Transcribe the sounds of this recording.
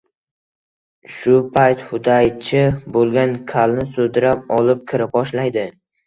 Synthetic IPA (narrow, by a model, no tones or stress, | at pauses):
ʃʊpʰajt̪hʊd̪ajt͡ʃʰɪbolˠɡʲankʲʰalnɪsod̪ɪɾap̚ɒlˠɪp̚kʲʰɪɾɪp̚ɒʃlajd̪ɪ